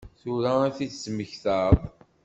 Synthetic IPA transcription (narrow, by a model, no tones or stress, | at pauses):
θʊɾaæθiθsməçθəðˤ